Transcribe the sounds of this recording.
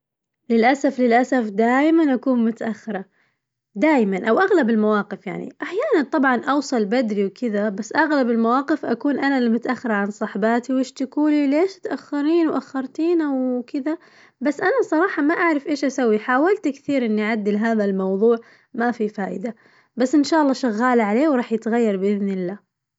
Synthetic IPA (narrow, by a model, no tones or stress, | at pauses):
lɪlʔasaflɪlʔasafd̪aːjmanʔakuːnmʊt̪aʔaxːɪɾˤɑ | d̪aːjmanʔawʔaɣlabɪlmawɑːqɪfja̰ʕnḭʔaħjaːnant̪ˤɑbʕɑnʔɑwsˤɑlbad̪ɾiwkɪðabasːʔaɣlabɪlmawɑːqɪfʔakuːnʔanalamʊt̪aʔaxːɪɾˤʕansˤɑħbaːt̪iwɪʃt̪akuːlileːʃɪt̪ʔaxːɑɾiːnwʔaxːɑɾˤt̪iːnʔawkɪða | basːʔanasˤɑɾˤɑːħɑmaʔaʕɾˤɑfʔeːʃʔasawːiħaːwalt̪kθiːɾʔɪnːiʔʕad̪ːɪlɦaːðalmɑwðˤuːʕ | mafifaːʔɪd̪a | basːʔɪnʃaːʔlˤːɑːʃaɣːaːlaʕaleːwɾˤɑːħjɪt̪ɣajːɑɾˤbɪʔɪðnɪlːaː